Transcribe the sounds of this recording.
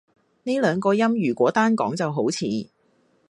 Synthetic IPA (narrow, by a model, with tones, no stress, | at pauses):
ne˥lœː˨˧ŋkɔː˧jɐ˥mjyː˨˩kʷɔː˨˥t̪aː˥nkɔ̰ː˨˥ŋt͡sɐ˨wɦo˨˥wt͡sʰḭː˨˥